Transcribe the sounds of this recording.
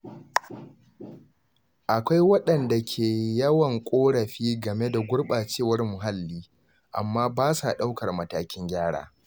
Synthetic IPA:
ʔa˨kʷa˦jwɐ˦ɗɐ˨nda˨kʲʰeː˨jɐ˦wɐ˨ŋkʷʼoː˦ɽɐ˨ɸiː˦ɡɐ˨me˦da˨ɡʷʊ˦ɽɓaː˨t͡ʃeː˦˨wɐ˦rmʊ˨ɦa˦lːiː˦ | ʔa̰˨mːaː˦baː˦sa˨ɗa˦wkɐ˨rmɐ˨taː˨kʲɪ˦ŋɡʲaː˦ɽa̰ː˨

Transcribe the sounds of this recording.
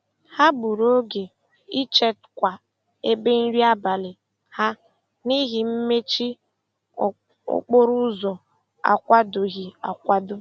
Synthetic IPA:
ha˦bu˨ɾo˦ɡe˨ | i˦t͡ʃe˦tkʷa˨ | e˦be˦n̩˦ɾi˦a˦ba˨lɪ˨ | ha˦ | ni˦ɦi˨m̩˦me˦t͡ʃi˦˨ | o̰˨k͡po˦ɾu˦zɔ˨ | a̰˨kʷa˦do˨ɣi˨a̰˨kʷa˦dʊ˦

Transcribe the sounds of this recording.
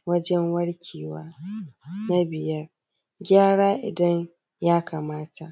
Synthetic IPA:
wɐ˦d͡ʒɛ˦ŋwɐ˦ɽkʲʰiː˨waː˦ | na˦bɪ˨jɐ˦r | ɡʲaː˦ɽaː˦ʔɪ˨dɐ˦ɲ | jaː˦kʰa˨maː˦tʰa˨ʔ

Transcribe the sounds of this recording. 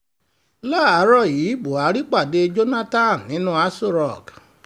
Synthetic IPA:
la˦˨a˨˦ɾɔ˦˨ji˨˦bo˨a˨˦ɾi˦k͡pa˦˨de˧d͡ʒo˦na˦tã˦˨nnĩ˨˦nũ˦a˦so˦˨ɾɔ˦˨ɡ

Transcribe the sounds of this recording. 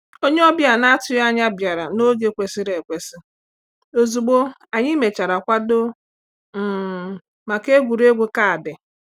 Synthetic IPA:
o˦ɲe˦ɔ˦bja˨na˦tʊ˦ja˦ɲa˦bja˨ɾa˨no˦ɡe˦kʷe˨sɪ˦ɾe˨kʷe˨sɪ˦ | o˨zu˨ɡ͡bo˦ | a˨ɲɪ˦me˨t͡ʃa˨ɾa˨kʷa˦do˦ | m̩˨ | ma˨ke˦ɡʷu˨ɾe˦ɡʷu˦ka˦a˨dɪ˨

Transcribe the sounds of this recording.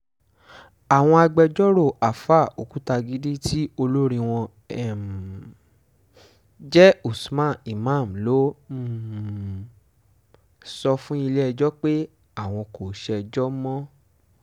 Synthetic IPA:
a˨w̃ɔ̃˧a˧ɡ͡bɛ˧d͡ʒɔ˦ɾo˦˨ʔa˨fa˦˨o˨ku˨˦ta˧ɡi˦di˦ti˦o˧lo˦ɾĩ˧w̃ɔ̃˧ | ɛ˦˨m | d͡ʒɛ˦u˨smã˦˨i˨mã˦˨m̩˨lo˨˦˨ | sɔ˧fũ˦i˧lɛ˦ɛ˧d͡ʒɔ˦k͡pe˦ | a˦˨w̃ɔ̃˧ko˨ʃɛ˧d͡ʒɔ˦mɔ̃˦

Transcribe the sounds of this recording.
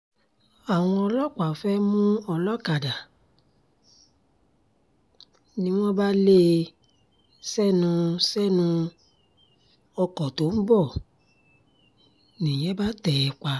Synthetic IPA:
a˨w̃ɔ̃˧ɔ˧lɔ˦k͡pa˨fɛ˦mũ˦ɔ˧lɔ˦ka˨da˨ | nĩ˦w̃ɔ̃˦ba˦le˦ | sɛ˦nũ˧sɛ˦nũ˧ | ɔ˧kɔ˨to˨˦m̩˦bɔ˦˨ | nĩ˨jɛ̃˨˦ba˦tɛ˨ɛ˨k͡pa˧

